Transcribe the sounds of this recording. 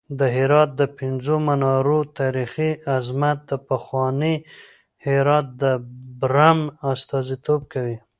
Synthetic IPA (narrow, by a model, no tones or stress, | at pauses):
d̪əɦɪɾɑt̪̚d̪əpɪnzomanɑɾot̪ɑɾixiazmat̪̚d̪əpaxwɑni | hɪɾɑt̪̚d̪əbɾamast̪ɑzit̪ob̚kawi